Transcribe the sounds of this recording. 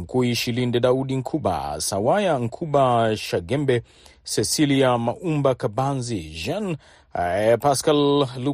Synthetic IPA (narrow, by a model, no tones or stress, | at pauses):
m̩kuiʃilindɛɗauɗiŋ̩kʰuɓa̰sawajaŋ̩kʰuɓaʃaɡɛmbɛ | sɛsiliamaʔumbakabanziʒan | paskalːu